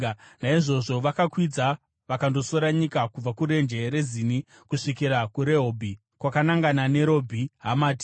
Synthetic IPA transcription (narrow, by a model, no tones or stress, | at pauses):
naiʐo̞ʐo̞ʋakakwid͡za | ʋakando̞so̞ɾaɲikakub͡vakuɾe̞nd͡ʒe̞ɾe̞zini | kuʂikiɾakuɾe̞ɦoːbʱi | kwakanaŋɡanane̞ɾo̞bʱiɦamaːti̥